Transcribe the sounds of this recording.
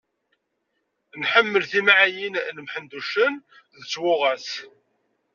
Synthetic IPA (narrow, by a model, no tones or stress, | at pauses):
nħəmːəlθimaʕajinnəmħənd̪uʃən | ðət͡sːwʊʁæs